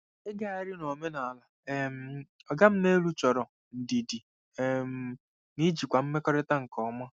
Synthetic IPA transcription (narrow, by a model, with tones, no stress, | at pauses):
e˦ɡa˦a˨˦ɾɪ˦no˨me˦na˨a˨la˨e˨m̩˦ | ɔ˨ɡa˦m̩˦ne˦lu˦t͡ʃɔ˨ɾɔ˨ | n̩˨di˨di˨ | e˨m̩˦ | ni˦d͡ʒi˨kʷa˨m̩˦me˦kɔ˦ɾe˦ta˦ŋ̩˨kɔ˨˦ma˦